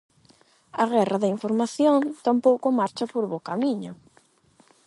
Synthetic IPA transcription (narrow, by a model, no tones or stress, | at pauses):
aɣɛraðɪiɱfoɾmaθjõnt̪ampowkʊmaɾt͡ʃapoɾβokamiɲʊ